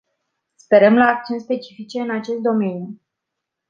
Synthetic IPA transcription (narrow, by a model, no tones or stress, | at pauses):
spe̞ɾəmlaːk̚t͡ʃeunspe̞t͡ʃi̥fit͡ʃe̞ɨnat͡ʃe̞st̪̚d̪o̞me̞nju